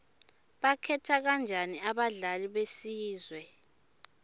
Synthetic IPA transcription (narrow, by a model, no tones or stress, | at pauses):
ɓakʰɛtʰak̬and͡ʒʱaniaɓaɮaliɓesiːzwɛ